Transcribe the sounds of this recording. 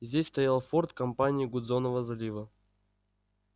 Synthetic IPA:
zʲdʲesʲst̪ɐjalˠfort̪kɐmpanʲɪɪɡʊd̪zonəvəzɐlʲivə

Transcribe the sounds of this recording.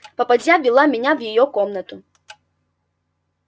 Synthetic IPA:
pɐpad͡zʲavʲilˠamʲɛnʲawjajɔkɔmnɐt̪u

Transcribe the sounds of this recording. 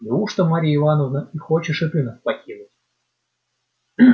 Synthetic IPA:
lʲuʂt̪omaɾʲiɪvanəvnəixot͡ɕɪʂɨt̪ɨnaspɐkʲinʊtʲ

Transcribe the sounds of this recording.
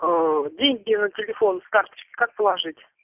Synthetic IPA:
ədʲeŋʲɡʲnətʲɪlʲɪfo̞nst̪art̪ə̥t͡ɕkʲɪ̥kʰak̚pəlˠaʐɨtʲ

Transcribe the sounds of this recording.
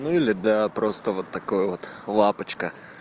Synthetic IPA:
nʊilɪd̪ɐpɾɔst̪ovot̪ːɐkɔjot̪lˠapət͡ʃkə

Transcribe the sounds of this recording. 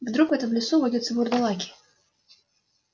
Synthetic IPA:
vd̪ɾukvɛt̪əmlʲɪsuvɔdʲɪt̪səvʊrd̪ɐlˠakʲɪ̥

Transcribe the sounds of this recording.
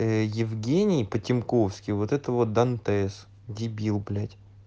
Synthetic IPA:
jɪvɡʲenʲɪjpətʲɪmkofskʲɪjvot̪ɛt̪əvot̪̚d̪ɐnt̪ɛs | dʲɪbʲilˠblʲætʲ

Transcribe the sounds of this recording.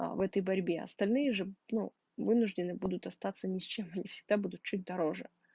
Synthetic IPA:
vɛt̪əjbɐɾʲbʲe̞ɐ̰st̪ɐlʲnɨjəʐɨnu | vɨnʊʐdʲɪnɨbud̪ʊt̪ɐst̪at̪sənʲɪsʲt͡ɕe̞mɐnʲifsʲɪ̥ɡ̚d̪abud̪ʊt̪̚t͡ɕut̚ʲd̪ɐɾo̞ʐɨ̰

